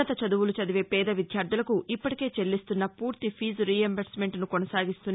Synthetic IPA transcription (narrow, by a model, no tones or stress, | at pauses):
ɐt̪ɐt͡ʃɐd̪uʋulut͡ʃɐd̪iʋeːpɛːd̪ɐʋid̪ʱjaːɾd̪ʱulɐkuʔipːɐʈi̥ke̞ːt͡ʃe̞lːist̪unːɐpuːɾt̪ipʰiːzɾiːɐmbɐɾsme̞ɳʈnukonɐsaːɡist̪unː